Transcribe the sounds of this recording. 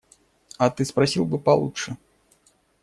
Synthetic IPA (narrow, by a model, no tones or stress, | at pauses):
at̪ɨspɾɐsʲilˠbɨpɐlˠṵtʂɨ